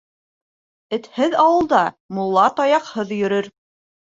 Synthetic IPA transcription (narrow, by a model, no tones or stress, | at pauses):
ɘ̆t̪hɘðɑwɤ̆lˠd̪ɑ | mulˠːɑt̪ɑjɑqhɤðjɵ̆ɾɵɾ